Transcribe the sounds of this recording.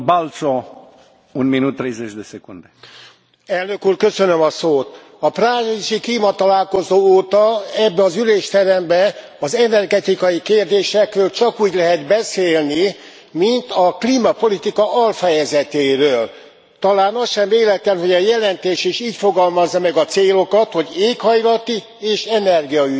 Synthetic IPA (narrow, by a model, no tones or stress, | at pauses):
balt̪so | unminut̪ːɾejzet͡ʃd̪esekund̪e | ɛlnø̞kuːrkø̞sønømɒsoːt̪ | ɒpraːriʒikliːmɒt̪ɒlaːlko̞zoːoːt̪ɒɛbːɛɒzyleːʃt̪ɛɾɛmbɛ | ɒzɛnɛrɡɛt̪ikɒjikeːrd̪eːʃɛkrøːlt͡ʃɒkuːɟlɛɦɛd̪bɛseːlni | mint̪ɒkliːmɒpo̞lit̪ikɒʔɒlfɛjɛzɛt̪eːɾøːl | t̪ɒlaːnɒsʃɛmveːlɛt̪ːɛnɦo̞ɟɒjɛlɛnt̪eːʃiʃiːcfo̞ɡɒlmɒzːɒmɛɡɒt̪seːlo̞kɒt̪ho̞ɟeːkhɒjlɒt̪i | eːʃɛnɛrɡijɒy